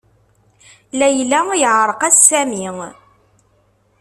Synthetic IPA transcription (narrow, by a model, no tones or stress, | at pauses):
læjlæjəʕɾˤəqæsːæmiŋ